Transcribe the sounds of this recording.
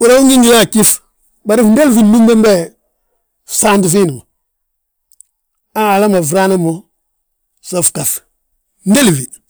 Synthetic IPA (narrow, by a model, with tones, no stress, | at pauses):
wu˨ɾa˦wu˦ŋɡi˦ni˦ja˦˨ki˦f | ba˨ɾi˦fnde˦lvi˨lu˦mbe˦mbɛ˦˨ | sa˦ndu˨fi˦ni˨ma˨ | a˦ŋa˨la˦ma˨vɾa˦na˦mo˦ | so˨fka˨s | n˦de˦lvi˨